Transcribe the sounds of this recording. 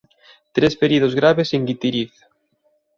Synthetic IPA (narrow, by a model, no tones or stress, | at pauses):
t̪ɾespeɾið̞ozɣɾaβeseŋɡit̪iɾiθ